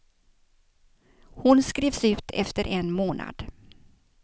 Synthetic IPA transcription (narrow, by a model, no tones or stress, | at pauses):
hʊnskɾeːvsʉ̟ːt̪ʰɛ̰ft̪əɾʔɛnmoːnʔa̰d̪̥